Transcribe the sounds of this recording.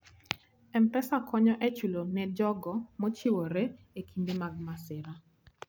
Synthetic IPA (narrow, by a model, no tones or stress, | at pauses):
ɛmpɛsakʰɔɲɔʔɛt͡ʃulonɛd͡ʒɔɡɔmot͡ʃiwoɾe | ekʰindemaɡ̚masɪɾa